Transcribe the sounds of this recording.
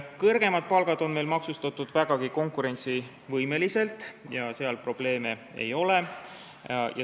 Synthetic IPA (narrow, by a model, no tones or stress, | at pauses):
kɤrɡ̥e̞mɑd̪̥̚pɑlɡ̥ɑd̪̥o̞nme̞jlmɑksust̪ɑt̪ːˑud̪̥væɡ̥ɑɡ̥iko̞ŋkuɾe̞nʲt̪si | vɤjme̞lise̞lt̪ːˑjɑse̞ɑlpro̞b̥le̞ːme | e̞̰jo̞le̞ | jɑ̰